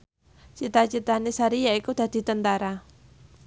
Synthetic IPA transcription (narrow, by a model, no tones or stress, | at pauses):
t͡ʃit̪at͡ʃit̪anisaɾijaikud̪̥a̤d̪̥i̤t̪ənt̪aɾa